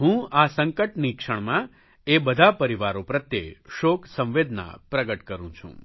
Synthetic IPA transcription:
ɦũasəŋkəʈnikʂəɳmã | ebəd̪ʱapəɾiʋaɾopɾət̪jeʃoksə̃ʋʋed̪na̰pɾəɡəʈkəɾṵ̃t͡ʃʰṵ̃

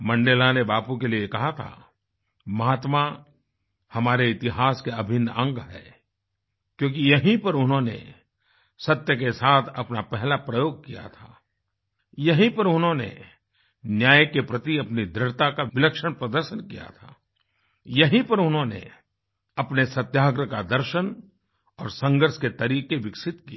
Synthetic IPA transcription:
mɐ̃ɳɖeːlanebaːpukeliekɐɦat̪ʰa̰ | mɐɦaːt̪ma | hɐmaːɾeɪt̪ɪɦaːskeɐbʱɪnːə̃ŋɡɦɛ̰ː | kjõːkijɐɦĩpɐɾʊnɦõnḛ | sɐt̪jəkesaːt̪ʰɐpnapɛɦlapɾɐjoːɡ̚kija̰t̪ʰa̰ː | jɐɦĩpɐɾʊnɦõnḛ | njaːjkepɾɐt̪iɐpnid̪ɾɪɽt̪akaʋɪləkʃəɽ̃pɾɐd̪əɾʃənkija̰t̪ʰa̰ː | jɐɦĩpɐɾʊnɦõnḛ | ɐpnesɐt̪jaːɡɾəkad̪ɐɾʃən | ɔːɾsɐ̃ŋɡəɾʃket̪ɐɾiːkeʋɪksɪt̪ki

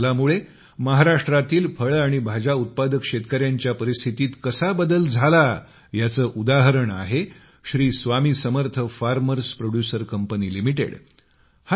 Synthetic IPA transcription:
lamuɭe | məɦaɾaʂʈɾat̪iːlfəɭaɽ̃ibʱad͡ʑaut̪̚pad̪əkɕet̪kəɾjaɲt͡ɕjapəɾist̪ʰit̪iːt̪kəsabəd̪əld͡zʱala | jat͡səːʔud̪aɦəɾəɳa̰ɦe | ɕɾiːsʋamiːsəməɾt̪ʰəfaɾməɾspɾoɽjusəɾkəmpəniːlimiʈḛɽ | h

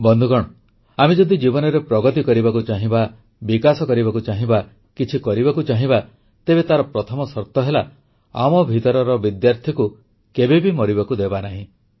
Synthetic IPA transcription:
bɔnd̪ʱukɔɽ̃ɔ | amed͡ʒɔd̪id͡ʒibɔnɔɾepɾɔɡɔt̪ikɔɾibakut͡ʃaɦĩba | bikasɔkɔɾibakut͡ʃaɦĩba | kit͡ʃʰikɔɾibakut͡ʃaɦĩba | t̪ebet̪aɾɔpɾɔt̪ʰɔmɔsɔɾt̪ɔɦela | a̰mɔbʱit̪ɔɾɔɾɔbid̪jaɾt̪ʰiku | kebebimɔɾiβakud̪ebanaɦĩ

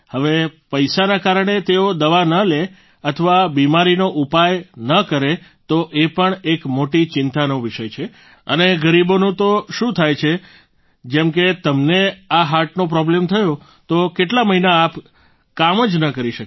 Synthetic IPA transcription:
həʋepəjsanakaɾəɳ̃et̪eod̪əʋanəle | ət̪ʰəʋabimaɾinoʔupajnəkəɾe | t̪oʔepəɳekmoʈit͡ʃɪnt̪anoʋiʃəjt͡ʃʰe | əneɡəɾibonũt̪oʃũt̪ʰajt͡ʃʰe | d͡ʒɛmket̪əmneaɦaʈnopɾɔblemt̪ʰəjo | t̪okeʈlaməɦinaːp | kaməd͡ʒnəkəɾiʃək

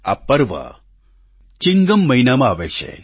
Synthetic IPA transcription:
a̰pɐɾʋɐ̰ | t͡ʃiŋɡɐmːɐɦinamaaʋet͡ʃʰḛ

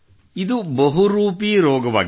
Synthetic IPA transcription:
id̪ubɐɦuɾuːpiɾoːɡɐʋa̰ːɡ

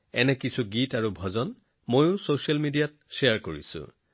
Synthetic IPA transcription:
ɛnɛkisʰuɡitaɹubʱɔzɔn | mojʊ̃sosalmidijat̚ | seaɹkoɹḭsʊ̰̃

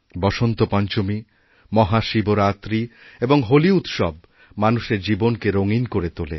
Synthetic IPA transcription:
bɔʃont̪opɔɲt͡ɕomi | mɔɦaʃiboɾat̪ɾieboŋɦoliut̪ʃɔb̚ | manuʃeɾd͡ʑibonkeɾoŋinkoɾet̪olḛ

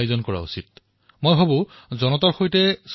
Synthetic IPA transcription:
jozɔnkɔɹa̰ṵsit̚ | mojɦabũ | zɔnɔtaɹxojtɛs

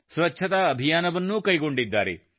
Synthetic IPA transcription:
sʋɐtːʃʰɐt̪ɐɐbʱijaːnɐʋɐnːukɐjɡo̞ɳɖid̪ːaːɾḛ

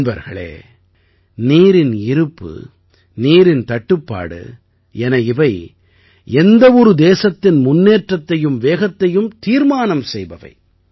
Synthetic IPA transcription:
bɐɾɣɐɭḛː | niːɾɪnɪɾɯpːɯ̰ | niːɾɪnt̪ɐʈːɯpːa̰ːɽɯ̰ | ɛnɐɪʋɐɪ | ɛnd̪ɐɔɾɯd̪eːsɐt̪ːɪnmʊnːeːʈrɐt̪ːɐjɯmʋeːɣɐt̪ːɐjɯmt̪iːɾmaːnɐmsɛjbɐʋɐ̰ɪ

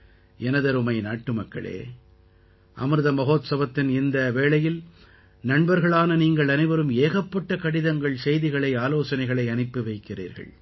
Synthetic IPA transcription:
ɛnɐðɐɾɯmɐɪnaːʈːɯmɐkːɐ̰ɭḛː | ʔɐ̰mɯɾɯðɐmɐɣoːt̪sɐʋɐt̪ːɪnɪnd̪ɐʋeːɭɐjɪl | nɐɳbɐɾɣɐɭaːnɐniːŋɡɐɭɐnɐɪʋɐɾɯmeːɣɐpːɐʈːɐkɐɽɪðɐŋɡɐɭsɛjðɪɣɐɭɐɪaːloːsɐnɐɪɣɐɭɐɪɐnɪpːɯʋɐɪkːɪrḭːɾɣɐ̰ɭ

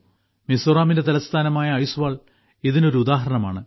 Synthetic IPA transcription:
misoraːmindet̪ɐlɐst̪ʰaːnɐmaːjɐːjsuʋaːɭ | iðino̞ɾuud̪aːɦɐɾɐɳɐma̰ːɳɨ

